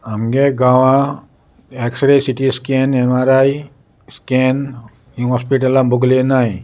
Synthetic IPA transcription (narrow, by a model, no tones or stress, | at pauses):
amɡeɡawã | eksɾesiʈiskenɛmaɾaj | sken | iɦɔspiʈalambuɡlenaj